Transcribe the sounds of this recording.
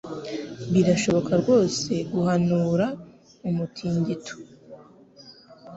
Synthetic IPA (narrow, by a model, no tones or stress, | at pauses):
βiɾaʃo̞βo̞kaɾɡwo̞ːse̞ɡuhanuːɾa | umutʰiːɲɟito̥